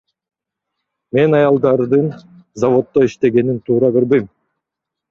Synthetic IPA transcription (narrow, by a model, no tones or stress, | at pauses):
me̞nɑjɑlˠd̪ɑɾd̪ɯn | zavo̞t̪ːoiʃt̪e̞ɡe̞nint̪ʰuːɾɑbiɾbɯjm